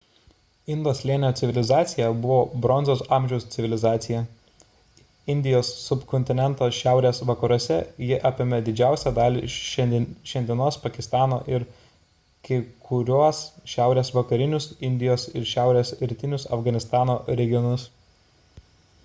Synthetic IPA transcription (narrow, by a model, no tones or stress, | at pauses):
ɪnd̪oːslʲiɛnʲɪjoːt̪sʲɪʋʲɪlʲɪzɑːt̪sʲɪjɛbʊʋoːbɾɔnzoʊsɑːmʲʒʲɛʊst̪ʲɪʋʲɪlʲɪzɑːt̪sʲɪjɛ | ɪnʲd̪ʲɪjoːsːʊpkɔnʲt̪ʲɪnʲɛnt̪oʃʲæˑʊɾʲeːsʋɐkɐɾuɔsʲɛjɪʔɑpʲɪmʲɛd̪ʲɪd͡ʒʲæˑʊsʲæd̪ɑːlʲḭ | ʃʲɛnʲd̪ʲɪnoːspɐkʲɪst̪ɑːno̰ːʔɪɾ | kʲɪkʰʊɾʲuɔsʃʲæˑʊɾʲeːsʋɐkɐɾʲɪnʲʊsɪnʲd̪ʲɪjoːsɪɾʃʲæˑʊɾʲeːsɾʲɪt̪ʲɪnʲʊsɐ̰fɡɐnʲɪst̪ɑːnoːɾʲɛɡʲɪjɔnʊs